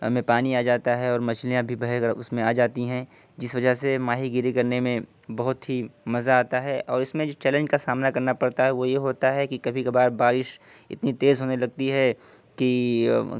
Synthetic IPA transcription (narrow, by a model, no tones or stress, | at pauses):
ɐ̰mẽpaːniaːd͡ʒaːt̪aɦɛɔːɾmɐt͡ʃɪlijãbʱibɐɦkɾʊsmẽaːd͡ʒaːt̪iɦɛ̃ | d͡ʒɪsʋɐd͡ʒəɦsemaːɦiɡɪɾikɐɾnemẽ | bɐɦʊt̪ɦimɐzaːt̪aɦɛʔɔːɾɪsmẽd͡ʒoːt͡ʃɛːlə̃ɲd͡ʒkasaːmnakɐɾnapɐɽt̪aɦɛʋojeɦoːt̪aɦɛkikɐbʱikɐbaːɾbaːɾɪʃ | ɪ̰t̪nit̪eːzɦoːnelɐɡ̚t̪iɦɛ | ki